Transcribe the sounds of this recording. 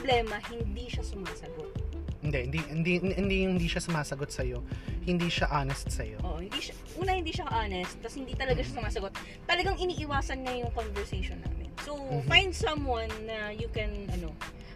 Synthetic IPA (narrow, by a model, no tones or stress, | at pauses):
blɛːmɐhɪnd̪iʃɐsʊmaːsɐɡo̞t̪̚ɪnd̪ɛhɪnd̪ind̪iɪnd̪iŋhɪnd̪iːʃasʊmaːsɐɡot̪̚sɐjo̞hɪnd̪iːʃaʔaːnɛst̪̚sɐjoʔoːʔohɪnd̪iʃa | ʔuːnɐhɪnd̪iːʃɐʔaːnɛst̪̚tːɐshɪnd̪iːt̪ɐlɐɡaʃasʊmaːsɐɡo̞t̪̚ː | ɐlɐɡaŋʔɪniːʔɪwaːsɐnŋɐjʊŋkonvɛɹsejʃonːa̰ːmɪ̰nsowfajnd̪sɐ̃mwɐ̃nːɐjukɛnʔɐno̞